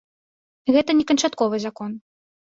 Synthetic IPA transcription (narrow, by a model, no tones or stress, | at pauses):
ɣɛt̪ɐnʲɛkɐnt͡ʂat̪kɔvɨzakɔn